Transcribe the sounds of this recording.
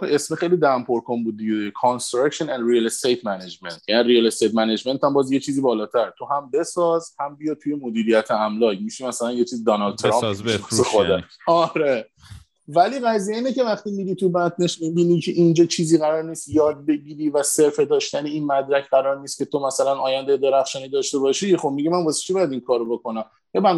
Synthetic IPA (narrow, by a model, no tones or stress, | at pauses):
esmexejliːd̪æmpʰoɾkʰonbuːd̪̚ːiɡedekʰonst̪ɾækʃonænd̪ɾilest̪ejt̪ʰmæned͡ʒment̪ʰjæniɾielest̪ejt̪mæned͡ʒme̞nt̪ʰæmbɒːzjet͡ʃʰiːziːbɒːlɒːt̪ʰæɾt̪ʰo̞ɦæmbe̞sɒːzhæmbijɒt̪ʰujemod̪iːɾijæt̪ʰeæmlɒːjmiʃimæsælænjet͡ʃʰiːzid̪ɒnɒld̪̚t̪ʰeɾɒmiɔsexod̪æɒɾe | væliːɣæzijeiːnece̞væχt̪iːmiɾit̪ʰubænt̪ʰneʃmibiniːcʰeʔind͡ʒɒːt͡ʃʰiːziːɣæɾɒːɾniːst̪jɒːd̪̚be̞ɟiːɾiːvæse̞ɾfe̞d̪ɒːʃt̪æneinmæd̪ɾæcʰɢæɾɒːɾniːst̪kʰʲcʰe̞t̪ʰomæsælænɒːjænd̪ejed̪e̞ɾæxʃɒːniːd̪ɒːʃt̪e̞bɒːʃiχobmiɟimænbɒːse̥t͡ʃʰibɒjæd̪iŋkʰɒːɾobo̞ko̞næm | jebæn